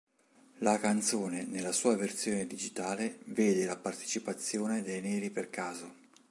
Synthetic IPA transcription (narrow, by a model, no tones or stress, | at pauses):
lakant̪soːnenelːasuːaversjoːned̪id͡ʒit̪aːleveːd̪elapart̪e̥t͡ʃipat̪sːjoːned̪ejnɛːɾiperkaːzo